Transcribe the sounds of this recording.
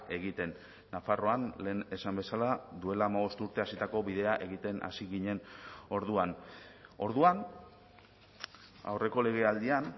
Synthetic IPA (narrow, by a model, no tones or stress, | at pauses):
e̞ɣit̪e̞nː | afaro̞anle̞ːne̞sambe̞salad̪ue̞laːmaβ̞o̞st̪uɾt̪e̞asit̪ako̞βiðe̞aʔe̞ɣit̪e̞nʔa̰siɣiɲe̞no̞ɾðuano̞ɾðuan | a̰wre̞ko̞le̞ɣ̞e̞ald̪ian